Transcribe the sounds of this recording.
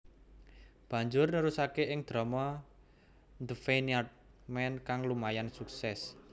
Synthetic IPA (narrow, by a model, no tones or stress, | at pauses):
b̥ä̤ɲd͡ʒʊrnəɾusakeʔɪŋd̪̥ɾɔ̤mɔ | nd̪əfeniat̪̚ | mɛnkaŋlumajansuksɛs